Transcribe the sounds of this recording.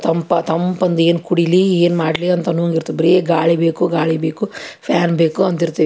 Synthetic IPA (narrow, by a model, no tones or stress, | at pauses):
t̪ɐmpɐt̪ɐmpɐnd̪eːnkuɽilieːnmaːɽliɐnt̪ɐnuːŋɡiɾt̪ːubɾijeːɡaːɭibeːkuɡaːɭibeːkupʰjaːnbeːkuɐnt̪iɾt̪ːiːʋi